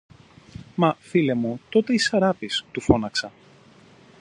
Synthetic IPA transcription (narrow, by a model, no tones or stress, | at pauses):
mɐfile̞mut̪o̞t̪e̞isɐɾɐpist̪ufo̞nɐksɐ